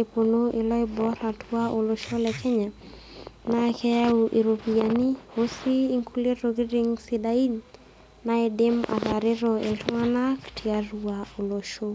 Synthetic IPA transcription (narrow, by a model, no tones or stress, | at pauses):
eponoʔɪlɔɪbɔɾatʰuaʔoloʃolɛkʰɛɲa | nakɛauʔiɾopianiosiːŋkuleɾokɪɾiŋsidain | naɛdɪma̰taɾɪɾɔḛltɔŋanaktʰiaɾuaoloʃo